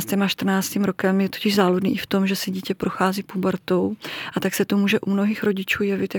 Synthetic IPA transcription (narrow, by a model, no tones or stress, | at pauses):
st̪ɛmaʃt̪r̩naːt͡st̪iːmɾo̞kɛmjɛt̪ocɪʒzaːludnḭːʔɪft̪o̞mʒɛsɪɟiːcɛpɾʔoxaːziːpubɛɾt̪owʔat̪aksɛt̪omuːʒɛʔumno̞ɦiːxɾo̞ɟɪt͡ʃuːjɛvɪt̪ja